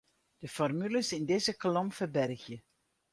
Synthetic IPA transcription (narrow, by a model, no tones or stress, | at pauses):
d̥əfɔrmyləsɪndɪzəklɔmfərbɛrxjə